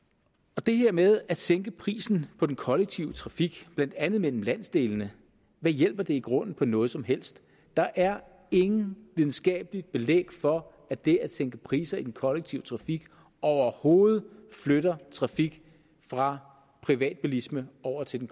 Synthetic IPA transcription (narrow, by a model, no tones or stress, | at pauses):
ɒ̽d̥e̝heɐ̰með̞ˠæ̥seŋɡ̥əpʰʁḭːsn̩pʰɒ̽d̥enkʰɒ̽leɡ̥̚t͡sʰiʊət͡sʰʁɑ̈fiɡ̥b̥læn̰d̥ænð̩ˠmel̰m̩læn̰sd̥e̝ːlnə | ʋæjel̰b̥ɐd̥e̝iɡ̥ʁɔ̽n̰n̩pʰɒ̽nɔ̽ːð̞̩ˠsɒ̽mɦel̰sd̥ː | ɑ̈ʔæɐ | e̝ŋn̩ʋið̞ˠn̩sɡ̥ɛ̰ːb̥əlid̥̚b̥e̝lḛːɡ̥fɒ̽ | æd̥e̝æ̥seŋɡ̥əpʰʁḭːsɐid̥enkʰɒ̽leɡ̥̚t͡sʰiʊə̥t͡sʰʁɑ̈fiɡ̥ | ɒʊɐho̝ːð̞̩ˠfløɾɐt͡sʰʁɑ̈fiɡ̥ | fʁɑ̈ | pʰʁiʋɛ̰ːd̥̚b̥ulisməɒʊ̰ɐt͡sʰe̝d̥en